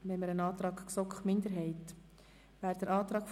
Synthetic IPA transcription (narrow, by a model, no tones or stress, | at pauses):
ʋɛməɾənɑːt̪ɾɑːkksɔkχmɪndəɾɦɛɪt | ʋæːɾd̥əɾʔɑːt̪ɾɑːkf